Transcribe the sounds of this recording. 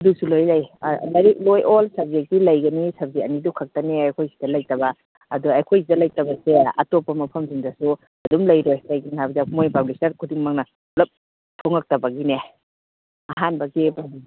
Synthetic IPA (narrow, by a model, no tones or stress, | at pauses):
dusulojlajlɐɾiklojʔolsɐb̚zeɡilɐjɡɐnisɐb̚zeɐnidukʰɐk̚tɐniajkʰojsi̥dɐlɐjtɐbɐ | ɐduajkʰojsidɐlɐjtɐbɐseɐ̰topːɐmɐpʰɐmziŋdɐsu | ɐdumlɐjɾojlajɡinihabdamojpablisɐɾkʰudiŋmaŋnɐ | lɐp̚ | tʰoŋɐk̚tɐbɐɡine | ɐɦanbɐɡima